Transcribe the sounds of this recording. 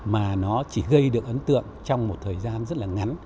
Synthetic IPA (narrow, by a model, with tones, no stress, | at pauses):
maː˨˩nɔ˨˦t͡ɕi˧˩ɣə˧jɗɨ˨˩ək̚ʔə˨˦nt̪ɨ̰˧˨əŋt͡ɕɔ˧wŋ͡mmo˨˩t̚t̪ʰəː˨˩jzaː˧nzə˦˥t̚laː˨˩ŋa˨˦n